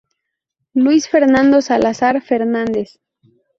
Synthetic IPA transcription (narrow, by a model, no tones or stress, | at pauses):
lwisfeɾnãnd̪osalasaɾfeɾnãnd̪e̞s